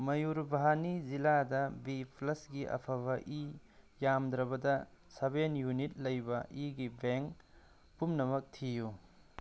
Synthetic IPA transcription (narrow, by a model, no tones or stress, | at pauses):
mɐjuɾbaɦaniziladɐbipʰlɐsɡiʔɐ̰pʰɐβɐʔijamd̪ɾɐbɐdɐsebenjunit̚lɐjbɐʔiɡibeŋk | pumnɐmɐk̚tʰiju